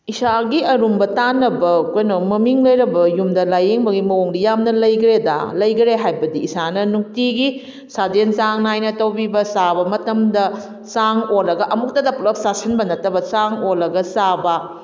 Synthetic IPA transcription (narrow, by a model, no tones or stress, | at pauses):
isaɡiɐɾumbɐtanːɐbɐkojnomɐmiŋlɐjɾɐbɐjumdɐlajeŋbɐɡimɐoŋdɐjamnɐlɐjɡɾeda̰lɐjɡɐɾeɦajbɐdiːsanɐnuk̚tiɡi | sadent͡ʃaŋnajnɐtɐwbibɐsabɐmɐtɐmdɐ | saŋolɐɡɐʔɐmuk̚tɐdɐpulɐk̚sasʰɐnbɐnɐtɐbɐsaŋolːɐɡɐsabɐ